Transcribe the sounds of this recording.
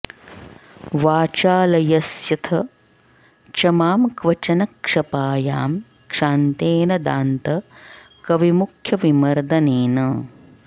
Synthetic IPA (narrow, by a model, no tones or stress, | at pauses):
ʋaːt͡ʃaːlɐjɐsjɐt̪ʰɐ | t͡ʃɐmaːmkʋɐt͡ʃɐnɐkʂɐpaːjaːm | kʂaːnt̪eːnɐd̪aːnt̪ɐkɐʋimukʰjɐʋimɐɾd̪ɐneːnɐ